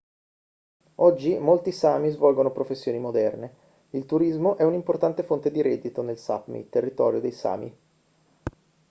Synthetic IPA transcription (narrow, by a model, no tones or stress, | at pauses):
ɔd͡ʒːimolt̪isaːmizvɔlɡonopɾofesːjoːnimod̪ɛrne | ilt̪uɾizmoʔɛunimport̪ant̪efont̪ed̪iɾɛd̪ːit̪onelsa̰pmḭt̪erːit̪ɔ̰ːɾjod̪ejsa̰ːmḭ